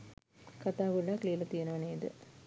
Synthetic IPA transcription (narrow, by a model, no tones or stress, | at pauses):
kɐt̪aːʋuɭːakliːlɐt̪ijɐnɐʋɐneːd̪ɨ̰